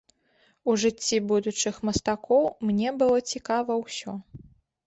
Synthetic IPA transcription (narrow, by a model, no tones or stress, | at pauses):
uʐɨt͡sʲːibud̪ut͡ʂɨxmɐst̪akʰɔwmnʲɛbɨlˠɔt͡sʲikavɐwsʲɔ